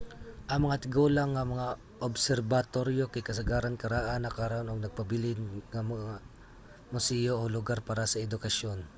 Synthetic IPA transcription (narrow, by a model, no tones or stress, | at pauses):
ʔɐŋmɐŋat̪ɪɡoːlaŋːɐmɐŋa | ʔobsɛɾbat̪oɾjokɐjkɐsɐɡaːɾankɐɾaːʔanɐkaːɾʔonoɡ̚nɐɡ̚pɐbɪlɪnŋɐmɐa | mʊsɛːjoʔolʊɡaɾpaːɾasɐɛd̪ʊkɐʃjon